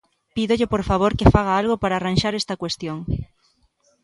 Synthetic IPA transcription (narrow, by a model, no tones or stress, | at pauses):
piðoʎɪpoɾfaβ̞oɾkefaɣ̞aalɣ̞opaɾaːranʃaɾest̪ɐkwest̪joŋ